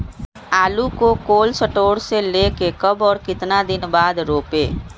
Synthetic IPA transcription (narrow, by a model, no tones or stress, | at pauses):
aːlukokoːlsəʈoːɽseleːkekəbɔːɾkɪt̪nad̪ɪnbaːd̪ɾoːpeː